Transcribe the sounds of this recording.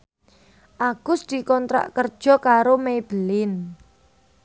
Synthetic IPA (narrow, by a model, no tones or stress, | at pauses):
ʔaɡ̥ʊsd̪̥i̤kɔnt̪ɾa̰ʔkərd̥ʒ̥ɔ̤kaɾomejb̥əlɪn